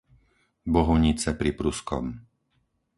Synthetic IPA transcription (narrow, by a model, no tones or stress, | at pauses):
bɔɦɔɲit͡sɛpɾipɾuskɔ̰m